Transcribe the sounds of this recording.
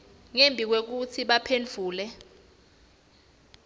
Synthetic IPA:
ŋembʱik̬wek̬ut͡sʰiɓapʰend͡vʱuːlɛ

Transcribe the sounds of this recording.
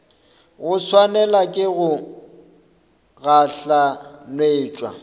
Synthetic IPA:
ɣʊswanɛlakʼɪɣʊ | ɣaɬanweːt͡ʃʼwa̰

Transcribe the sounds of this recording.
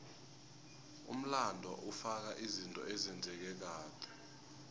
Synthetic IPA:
ṵm̩landʱaʔufak̬aʔizintʼɔ̰ʔɛzɛnd͡zʱɛk̬ɛk̬aːtʰɛ̥

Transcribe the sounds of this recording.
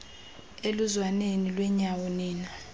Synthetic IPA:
eluzwanenilwɛɲawoniːna

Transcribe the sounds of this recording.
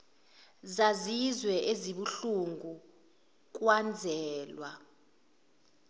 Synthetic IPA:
zazizwɛʔeziɓuɬuŋɡu | k̬ʼwand͡zʱɛːlwa

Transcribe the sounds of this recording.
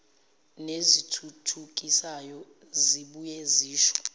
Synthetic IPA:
nezitʰutʰuk̬ʼisajɔ | ziɓujeziːʃɔ̥

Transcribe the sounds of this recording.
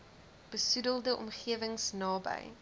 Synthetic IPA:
b̥əsudəlˠdəʔɔ̰mχiəvəŋsnɑːbə̰j

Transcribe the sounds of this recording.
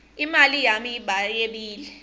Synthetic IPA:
imalijamiiɓajeɓiːlɛ

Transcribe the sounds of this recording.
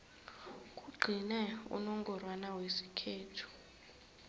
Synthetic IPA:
k̬ʼuɡ͡ǃʱinɛṵnɔŋɡɔrwanawesi̥kʰeːtʰu̥

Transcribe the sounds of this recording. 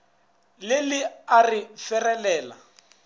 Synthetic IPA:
lɪlɪarɪfɛrɛlɛːla̰

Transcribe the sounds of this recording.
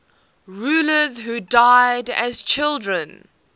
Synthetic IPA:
ɹuːləzɦudaɪdə̰z̥t͡ʃʰɪlˠdɹə̃n

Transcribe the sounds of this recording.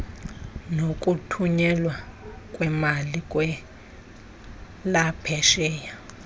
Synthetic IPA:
nokʼutʰuɲɛlwakʼwɛmalikʼwɛ | lapʰɛʃɛːja

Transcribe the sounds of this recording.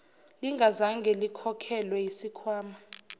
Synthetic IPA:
liŋɡʱazaŋɡʱɛlikʰɔkʰɛlwɛjisikʰwaːma

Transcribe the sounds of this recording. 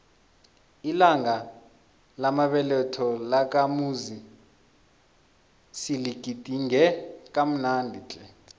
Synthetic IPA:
ilaŋa | lamaɓɛlɛtʰɔlak̬ʼamuzi | siliɡ̥ʱid̥ʼʱiŋɛk̬ʼam̩nandʱit͡ɬʼɛ

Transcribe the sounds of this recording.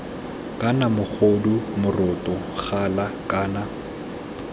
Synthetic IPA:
kʼanamʊk͡xʰodumʊrʊtʼɔ | χalakʼaːna

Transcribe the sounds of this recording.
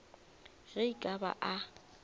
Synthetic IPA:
ɣeikʼaba̰ʔa

